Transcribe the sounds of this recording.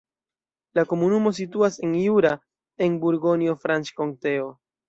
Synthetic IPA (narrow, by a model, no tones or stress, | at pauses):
lako̞munumo̞s̬ituase̞njuɾa | e̞nbuɾɡo̞njo̞fɾant͡ʃko̞ŋte̞o̞